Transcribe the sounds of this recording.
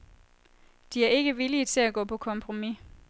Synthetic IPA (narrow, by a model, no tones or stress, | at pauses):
d̥iæɐe̝ɡ̥əʋilit͡sʰe̝læɡ̥ɔ̰̽ːpʰɒ̽kʰɒ̽mpʰʁo̝mi